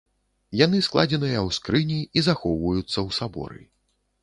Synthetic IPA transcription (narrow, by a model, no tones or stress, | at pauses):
jan̪ɨsklˠad͡zʲɛnɨjɐwskɾɨnʲiizaxɔwvɐjut̪sːɐwsabɔ̰ɾɨ̰